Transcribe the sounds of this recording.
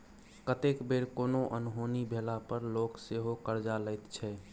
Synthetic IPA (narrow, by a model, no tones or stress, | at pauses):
kət̪ekbeɾkoːnoʔənɦonibʱelapəɾlokseɦokəɾd͡ʒaləɪt̪t͡ʃʰɛ